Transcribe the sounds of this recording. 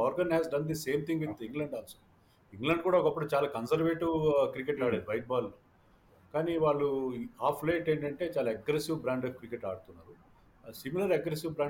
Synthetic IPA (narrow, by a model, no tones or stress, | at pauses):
ɔːɾɡɐnɦɛːzɖɐnd̪ise̞ːmt̪ʰĩŋɡʋit̪ʰiŋɡlɐɳɖɐnsu | iŋɡlɐɳɖ̚kuːɽaːɔkɐpːuɽuːt͡ʃaːlaːkɐnsɐɾʋeːʈiʋkɾikeʈaːɽeːd̪ubɐjʈ̚baːlːo | kaːniʋaːɭːuaːpʰleːʈeːɳʈɐɳʈe̞ːt͡ʃaːlaeɡɾesiʋbɾaːɳɖkɾikeʈaːɽut̪unːaːɾu | similɐɾeɡɾesiʋbɾaː